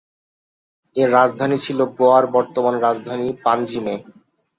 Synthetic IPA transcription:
eɾad͡ʑd̪ʱanit͡ɕʰiloɡoaɾbɔɾt̪omanɾad͡ʑd̪ʱanipand͡ʑime

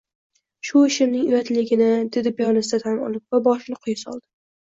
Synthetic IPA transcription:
ʃʊɪʃɪmnɪŋʊjat̪lɪɡʲɪnɪd̪e̞d̪ɪbjɒnɪsd̪at̪ʰamɒ̰lˠɪp̚vabɒʃɪnɪqʰʊjɪsɒ̰lˠd̪ɪ

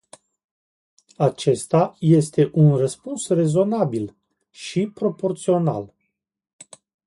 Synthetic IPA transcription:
at͡ʃe̞st̪aje̞st̪e̞ʔunrəspunsre̞zo̞nabil | ʃipɾo̞po̞rt̪sio̞na̰l

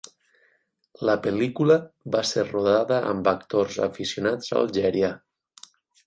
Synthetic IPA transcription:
ləpelikuləβaseɾroðaðəʔə̰mbəkt̪orza̰fisionad͡za̰lˠʒɛɾja

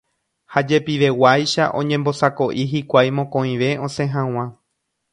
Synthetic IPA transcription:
had͡ʒe̞piʋe̞wajʃaʔõ̞̰ɲẽmbo̞sako̞ʔiɦikʷajmõkõĩʋe̞õ̞sẽ̞ɦãw̃ã

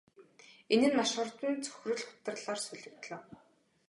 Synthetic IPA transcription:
enɘ̆nmaʃɢə̆rt̪ɘ̆nt͡sʰɵ̥xʲrɵ̆ɮχʊ̥t̪ə̆rɮaːrsɵɮɵ̆kt̪ɮə̆ːw

